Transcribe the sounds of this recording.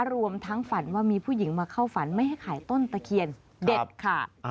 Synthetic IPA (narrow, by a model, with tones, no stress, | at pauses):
ɾu˧əmt̪ʰa˦˥ŋfa˩˦nwaː˥˩miː˧pʰuː˥˩ji˩˦ŋmaː˧kʰa˥˩wfa˩˦nma˥˩jɦha˥˩jkʰaː˩˦jt̪o˥˩˨nt̪a˧kʰi˧ən | de˨˩t̪̚kʰa˧˩